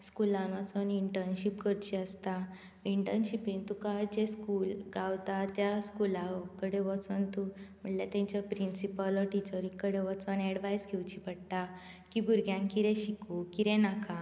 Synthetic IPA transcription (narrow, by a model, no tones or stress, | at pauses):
skulãnʋət͡səniɳʈəɾnɕipkəɽt͡ɕiəst̪a | iɳʈəɾnɕipiŋt̪ukad͡ʑeskuːlɡawt̪at̪jaskulaɔkəɽeʋət͡sənt̪um̤əɳʈlat̪ãɲt͡ɕjapɾinsipəlɔʈit͡ɕəɾikəɽẽʋət͡sənɛɽʋajskʰewt͡ɕipəɽʈ̪a | kibʱuɾɡjãŋkiɾẽɕikukiɾɛ̃naka